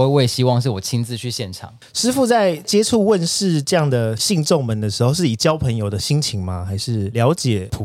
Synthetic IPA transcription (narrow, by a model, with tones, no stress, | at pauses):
e˥˧we˥˩ɪɕi˥wɑ˥˧ŋʂɻ̩˥˩wɔ˨˩t͡ɕʰi˥nt͡sɹ̩˥˧t͡ɕʰy˥˧ɕjɛ˥˩nʈ͡ʂʰɑ̰˨˦ŋ | ʂɻ̩˥fu˥˧t͡sa˥˩ɪt͡ɕjɛ˥ʈ͡ʂʰu˥˧wə˥˨nʂɻ̩˥˧ʈ͡ʂɤ˥˧jɑ˥˩ŋd̪ə˩ɕi˥˧ŋʈ͡ʂɔ˥˩ŋmə˨˦nd̪ə˨˩ʂɻ̩˧˥xo˥˧ʊʂ̬ɻ̩˥˩i˨˩t͡ɕjɑ˥ʊpʰə˧˦ŋjo˨ʊd̪ə˨ɕi˥ŋt͡ɕʰi˧˥ŋma˧xa˧˥ɪʂɻ̩˥˩ljɑ˧˥ʊt͡ɕjɛ˨˩pʰu˨˦